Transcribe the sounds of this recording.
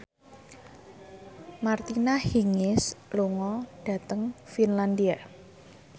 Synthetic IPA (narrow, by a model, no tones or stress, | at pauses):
mart̪inahiŋɪsluŋɔɖ̥ä̤t̪əŋfinland̪ia